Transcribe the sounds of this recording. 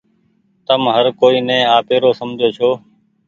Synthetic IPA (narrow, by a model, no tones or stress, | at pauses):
t̪əmɦəɾkoːiːnɛ̃ːaːpeːɾoːsəmd͡ʒʱoːt͡ʃʰoː